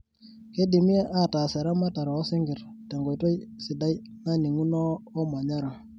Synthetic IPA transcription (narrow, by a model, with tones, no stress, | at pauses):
ke˦di˨mi˦a˦ʔa˦˨ta˨se˨ɾa˦ma˦ta˨ɾa˨˦si˦ŋɡi˨ɾta˨ŋɡo˨jto˦jsi˨da˦j | na˦ni˨ŋu˦nɔː˦ma˨ɲa˦ɾa˨